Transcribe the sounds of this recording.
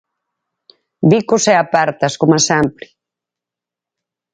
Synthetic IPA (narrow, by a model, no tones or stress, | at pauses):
bikʊsɛapaɾt̪ɐskomasampli